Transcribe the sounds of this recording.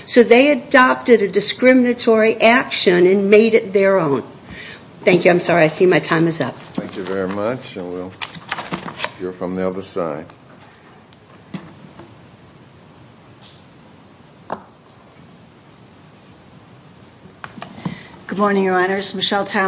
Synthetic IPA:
soʊðeɪɨdɑp̚tɨɾɨdɨskɹɪmɨnɨtʰɔɹiʔækʃɨ̃nɨ̃nmeɪɾɨt̪̚ðə˞õʊ̃n | θæ̃ŋkjʉãɪ̃msɑɹiaɪsĩmaɪtʰãɪ̃mɨzʌp̚θæ̃ŋkjʉvɛɹimʌt͡ʃwɪlˠ | hiɹfɹʌ̃mðiʌðə˞sa̰ɪd̥ | ɡ̥ʊd̚mɔɹnɪ̃ŋjə˞ɑ̃nə˞zmɨʃɛlˠtʰa

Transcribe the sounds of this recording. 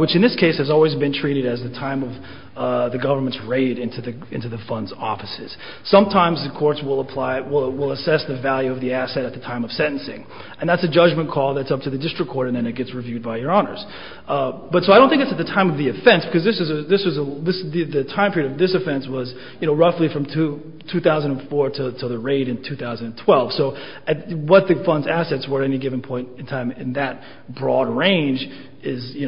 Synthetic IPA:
wɨt͡ʃɨ̃nðɪskʰeɪshɨzɔlˠwizbɨ̃ntʰɹ̥iɾɨɾɨzðɨtʰãɪ̃mʌv | ðɨɡʌvə˞mɨ̃ntsɹeɪɾɪ̃ntʰʉðɨ | ɪ̃ntʉðɨfʌ̃ndzɔ̰fɨsɪz̥ | sʌ̃mtʰãɪ̃mzðɨkʰɔɹtswɪlˠəpʰl̥aɪwɪlˠwɪlˠəsɛsðɨvælˠjʉʌvðiæsɛɾɨt̪̚ðɨtʰãɪ̃mʌv̥sɛ̃ɾ̃n̩sɪ̰̃ŋ | ɨ̃nðætsɨd͡ʒʌd͡ʒmɨ̃nkʰɔlˠðɨtsʌp̚tʰɨðɨdɪstɹ̥ɨkʰɔɹɾɨ̃nðɨ̃nɨt̚ɡ̥ɛtsɹɨvjʉd̚baɪjə˞ɑnə̰˞z̥ | b̥ʌtsoaɪõʊ̃nθɪ̃ŋkɨtsɨt̪̚ðɨtʰãɪ̃mʌvðiɨfɛ̃nsb̥ɨkʰʌzðɪsɨzɨðɪsɨzəðɪsðɨðɨtʰãɪ̃mpʰɪɹiɾʌvðɪsɨfɛ̃nswʌz | jɨnoʊɹʌflifɹʌ̃mtʰʉ | tʰʉθaʊzɨ̃ndə̃nfɔɹɾɨɾʰəðɨɹeɪɾɨ̃ntʰʉθaʊz̃n̩d̃n̩tʰw̥ɛlˠv̥soʊ | ɨt̚wʌt̪̚ðɨfʌ̃ndzæsɛtswə˞ɛniɡɪvɨ̃n̩pʰɔ̃ɪ̃ntɨ̃ntʰãɪ̃mɨ̃nðɨt̚ | b̥ɹɔd̚ɹẽɪ̃nd͡ʒ | ɪzjɨn

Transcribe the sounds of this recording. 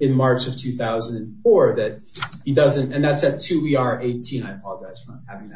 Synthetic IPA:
ɨ̃nmɑɹt͡ʃʌv̥tʰʉθaʊzɨ̃n̩dɨ̃nfɔɹðɨt̚ | hidʌzɨ̃ntɨ̃nðætsɨtʰʉiɑɹʔeɪtʰĩnaɪpʰɔlˠɡaɪz̥fɹʌ̃hævɪ̃ŋð

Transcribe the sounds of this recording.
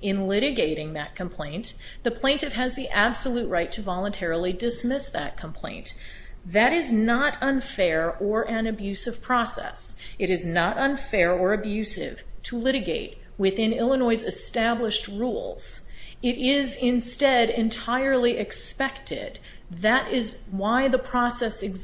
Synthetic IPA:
ɪ̃nlɪɾɨɡeɪɾɪ̃ŋðɨt̚kʰɨ̃m̩pʰl̥ẽɪ̃n | ðɨpʰl̥ẽɪ̃ntɨv̥ɨzðiʔæb̥səlut̚ɹaɪtʰɨvɑlˠə̃ntʰɛɹl̩ˠidɨsmɪsðɨ̰t̚kʰə̃m̩pʰl̥ḛ̃ɪ̃n | ðɨɾɪznəɾʌ̃nfɛɹə˞ʔɨ̃nɨbjʉsɨv̥pʰɹ̥ɑsɛ̰sɨɾɨznəɾʌ̃nfɛɹə˞ɨbjʉsɪ̰v̥tʰəlɪɾɨɡeɪt̚ | wɪθɪ̃nɪlˠənɔɪzɨstæbləʃt̚ɹulˠz̥ɪɾɪzɪ̃nstɛɾɨ̃ntʰaɪə˞lˠiʔɨkspɛktɪ̰d̪̚ | ðɨɾɪzwaɪðəpʰɹ̥ɔsɛsɨɡ

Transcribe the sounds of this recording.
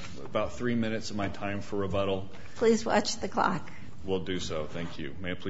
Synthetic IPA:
ə̰baʊt̪̚θɹimɪ̃ñɨtsʌvmaɪtʰãɪ̃ɱfə˞ɨbʌɾl̩ˠ | pʰl̥izwɑ̰t͡ʃðɨkʰl̥ɑ̰k | wilˠdɨsoʊθæ̃ŋkʰjʉ̰mæ̃pʰli

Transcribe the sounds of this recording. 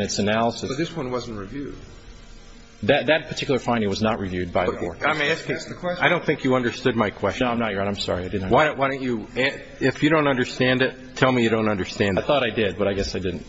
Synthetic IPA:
nɨtsɨnælˠəsɨʌðɪswʌ̃nwʌzn̩̚ɹivjʉd̥̚ | ðɨt̪̚ðɨt̚pʰə˞tʰɪkjl̩ˠə˞fãɪ̃ndɪ̃ŋwʌznəʔ̚ɹivjʉd̚baɪbʰɔɹãɪ̃mæskskʰw̥ɛaɪɾõʊ̃nθɪ̃ŋkʰjɨʌ̃ndə˞stʊd̚maɪkʰw̥ɛst͡ʃnãmnət̚jə˞ɨ̃nãɪ̃msɑ̰ɹiaɪdɪdⁿn̩waɪwaɪɾɪn̩t͡ʃɨ | ɪfjɨɾõʊ̃ntʌ̃ndə˞stæ̃ndɪtʰɛlˠmijɨɾõʊ̃ntʌ̃ndə˞stæ̃nðɨɪθɔɾaɪdɪd̚bʌɾaɪɡɛsaɪdɪdⁿn̩t

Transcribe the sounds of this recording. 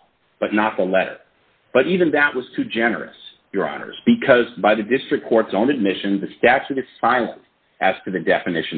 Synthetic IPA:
b̥ʌtⁿnət̪̚ðəlɛɾə̰˞ | b̥ʌɾivɨ̃nðɨʔwʔʌz̥tʰʉd͡ʒɛnə̰˞ɨ̰s | jə˞ɑ̰nə̰˞zb̥ɨkʰʌzbaɪðɨdɪstɹ̥ɨkʰɔɹtsõʊ̃nɨd̚mɪʃɨ̃nðɨstæt͡ʃʉɾɨz̥saɪlˠə̰̃nt | ʔɨz̥tʰɨðɨdɛfɨnɪʃɨ̃n

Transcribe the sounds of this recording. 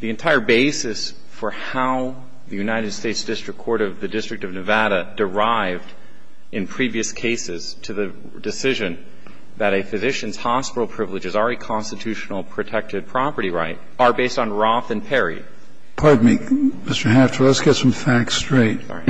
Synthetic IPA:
ðiɨ̃ntʰaɪə˞beɪsɨs | fə˞haʊ | ðɨjʉnaɪɾɨd̥steɪtsd̥ɪstɹ̥ɨkʰːɔɹɾʌvðɨdɪstɹ̥ɨk̚tʌvnɨvæɾɨdə˞aɪvd | ʔɨ̃npʰɹ̥iviɨskʰeɪsɪz̥tʰɨðɨ | dɨsɪʒɨ̃n | ðɨɾɨfɨzɪʃɨ̃nz̥hɑspɪɾl̩ˠpʰɹ̥ɪvlɨd͡ʒɨzəɹɨkʰɑ̃nstɨtʰʉʃnl̩ˠpʰɹ̥ɨtʰɛk̚tɨd̚pʰɹ̥ɑpə˞ɾiɹa̰ɪt̚ | ə˞beɪstn̩ɹɔθɨ̃npʰɛɹḭ | pʰɑɹd̚mikmɪstə˞ɦæftʰə˞lˠətsɡ̥ɛtsʌ̃mfæk̚stɹ̥eɪt̚

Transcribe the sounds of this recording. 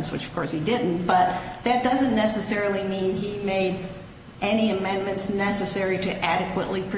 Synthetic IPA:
nswɨ̰t͡ʃʌ̥v̥kʰɔɹshidɪdⁿn̩b̥ʌt̪̚ðɨt̚d̥ʌzɨ̃nːɛsɨsɛɹl̩ˠimĩnimeɪɾ | ʔɛñiɨmɛ̃nmɨ̃ntsnɛsɨsɛɹiɾɨʔæɾɨkwəʔlipʰ

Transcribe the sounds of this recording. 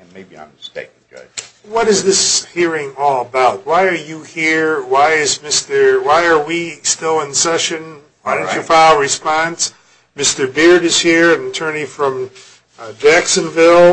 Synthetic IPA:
ɨ̃nmeɪbiã̰ɪ̃mstḛɪkŋd͡ʒʌ̰ | wʌɾɨzðɪshiɹɪ̃ŋɔlˠəbaʊt̚waɪə˞jɨhiɹwaɪɪzmɪstə˞waɪə˞wistɪlˠə̃nsɛʃɨ̃n | waɪɾõt͡ʃə˞faɪlˠɹɨspɑ̃ns | mɪstə˞bɪɹɾɨz̥hiɹɨ̃nɨtʰɜ˞nifɹʌ̃m | d͡ʒæksɨ̃nvɪlˠ

